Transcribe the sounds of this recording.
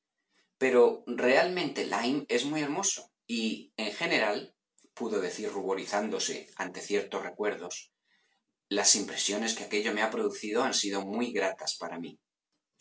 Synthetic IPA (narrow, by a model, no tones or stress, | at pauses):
pe̞ɾo̞re̞almẽ̞nt̪elʔajme̞zmuje̞ɾmo̞so̥ | ieŋxe̞ne̞ɾal | puðo̞ð̞e̞θiɾruβ̞o̞ɾiθand̪o̞se̞̰a̰nt̪e̞θje̞ɾt̪o̞sre̞kwe̞ɾð̞o̞s | lasimpɾe̞sjo̞ne̞ske̞ake̞ʎo̞me̞apɾoðuθið̞o̞ansið̞o̞mujɣɾat̪aspaɾami